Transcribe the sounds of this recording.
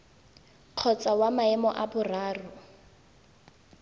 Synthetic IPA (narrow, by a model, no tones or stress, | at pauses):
q͡χʰɔt͡sawamaɛmɔʔabʊraːrʊ